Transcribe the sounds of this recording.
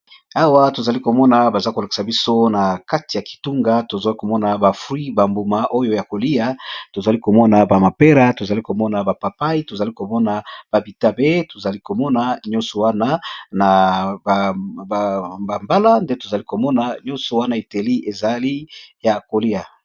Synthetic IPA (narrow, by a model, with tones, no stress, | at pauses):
a˦wa˦to˨za˨li˦ko˨mɔ˦na˨ba˨za˦ko˨la˨ki̥˨sa˨bi˦so˦na˨ka˦ti˨ja˨ki̥˨tu˦ŋɡa˦to˨za˨li˦ko˨mɔ˦na˨ba˨fwi˦ba˨mbu˨ma˨ʔo˦jo˦ja˨ko˨li˦ja˦to˨za˨li˦ko˨mɔ˦na˨ba˨ma˨pe˦ɾa˦to˨za˨li˦ko˨mɔ˦na˨ba˨pa˨pa˦i˦to˨za˨li˦ko˨mɔ˦na˨b̥a˨bi˨ta˦be˦to˨za˨li˦ko˨mɔ˦na˨ɲɔ̃˦nsɔ˨wa˦na˦na˨ | ba˨mba˦la˦nde˦to˨za˨li˦ko˨mɔ˦na˨ɲɔ̃˦nsɔ˨wa˦na˦e˨te˨li˦ʔe˨za˨li˦ja˨ko˨li˦ja˨